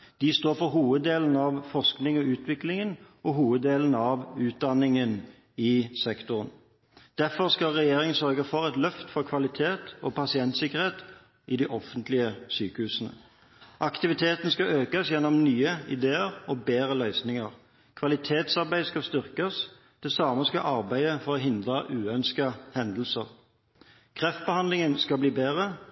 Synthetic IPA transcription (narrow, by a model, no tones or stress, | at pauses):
d̪̥ɪst̪oːfɔʁɦuːʋəd̪eːlən̩ɑʋfɔʁsknɪŋɔʉːt̪ʰʋɪklɪŋənʔɔɦuːʋəd̪ːeːlən̩ɑʋʉːt̪̚d̪ɑnːɪŋən | ɪsɛkt̪ʊʁən | d̪̥æfɔʁskɑlʁɛjeːɾɪŋənsœʁɡəfɔʁɛt̪lœft̪fɔʁkʰʋɑlɪt̪ʰeːt̪ɔpɑsɪɛnt̪sɪkəʁheːt̪ | ʔɪd̪ɪʔɔfənt̪lɪəsyːkəhʉːsən̩ə̰ | ʔɑkt̪ɪʋɪt̪ʰeːt̪n̩skɑʔøːkɑsjɛnːɔmnyːəɪ̰d̪eːəʁɔbeːʁəlœʏsnɪŋəʁ | kʰʋɑlɪt̪ʰeːt̪sɑʁbæɪskɑst̪ʏʁkəs | d̪̥ɛsɑːməskɑ̰ʔɑʁbæɪəfɔʁɔɦɪnd̪ʁəʔʉːœnskəhɛnd̪l̩səʁ | kʰʁɛft̪̚bəhɑnlɪŋənskɑbliːbeːʁə